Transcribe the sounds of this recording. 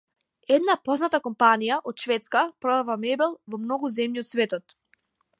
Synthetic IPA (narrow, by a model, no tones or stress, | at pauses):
ɛd̪napɔznat̪akɔmpanijaʔɔt̪ʃvɛt̪skapɾɔd̪avamɛbɛlˠvɔmnɔɡuzɛmɲiɔt̪svɛt̪ɔt̪